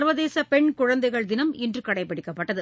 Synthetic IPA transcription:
ɾʋɐðeːsɐpɛɳkʊɻɐnd̪ɐɪɣɐɭd̪ɪnɐmɪndrɯkɐɽɐɪpːɐɽɪkːɐpːɐʈːɐðɯ

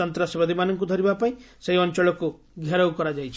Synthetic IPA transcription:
ɔnt̪ɾasjɔbad̪ʱimanɔŋkud̪ʱɔɾibapaĩseɦiɔnt͡ʃɔɭɔku | ɡʱjaɾɔwkɔɾad͡ʒajt͡ʃʰ

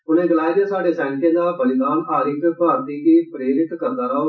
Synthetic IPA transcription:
ʊnẽːɡɪlaːid̪ɪjaːsaːɖeːsaːɳʈẽːd̪aːbəlɪd̪aːnaːɾiːt̪əpaːɾt̪iːkiːpɾeːɖɪʈkəɾd̪aːɾaː

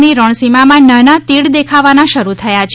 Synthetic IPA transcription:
niɾɔɳ̃simamãnənat̪iɽd̪ekʰaʋanaʃəɾut̪ʰəjat͡ʃʰ

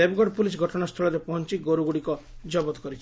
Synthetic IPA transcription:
ebɡɔɖpulisɡʱɔʈʰɔnast̪ʰɔɭɔɾepɔɦɔnt͡ʃiɡoɾuɡuɽikɔd͡ʒɔbɔt̪ɔkɔɾit͡ʃʰ

